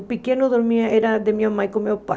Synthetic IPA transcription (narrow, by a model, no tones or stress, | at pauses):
pikenoðoɾmiaeɾaðemiamajkomewpa̰